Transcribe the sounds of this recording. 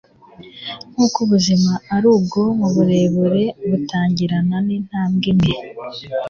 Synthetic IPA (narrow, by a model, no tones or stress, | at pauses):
ŋ̥uːkuβuzimaːɾuːb̚ɡo̞muβuɾe̞ːβuɾe̞βutaːɲɟiɾananin̥haːmɡimeɾ